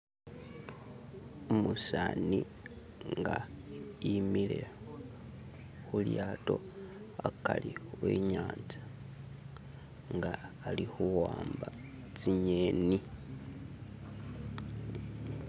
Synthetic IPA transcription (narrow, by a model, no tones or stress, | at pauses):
omusaːni | ŋɡaimile̞ | xuljaːto̞ | akaliweːɲaːnzḁ | ŋɡaː | lixuwaːmba | t͡siɲeːni